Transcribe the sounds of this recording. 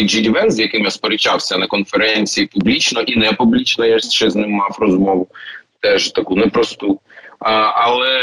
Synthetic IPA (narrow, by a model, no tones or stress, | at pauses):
d͡ʒidʲiʋɛnzʲjɐkɪmjaspɔɾɪt͡ʃawsʲɐnɐkɔnfeɾɛnʲt͡sʲijipublʲit͡ʃnɔʔinɛpublʲit͡ʃnɔjat͡ʃɛznɪmːɑwrɔzmɔʋʊt̪ɛʒt̪ɐkunɛpɾɔst̪u | ʔɐlˠɛ